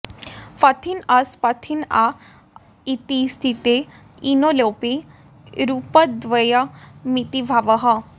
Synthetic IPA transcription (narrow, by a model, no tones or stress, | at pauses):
pɐt̪ʰinɐspɐt̪ʰina | it̪ist̪ʰit̪e | inoloːpi | ɾupəd̪ʋəjamit̪ibʱaʋəɦa